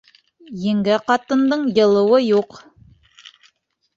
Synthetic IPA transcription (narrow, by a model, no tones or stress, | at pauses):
jɘ̆ŋɡæqɑt̪ɤ̆nd̪ɤɴjɤ̆lˠɤ̆wɤjuq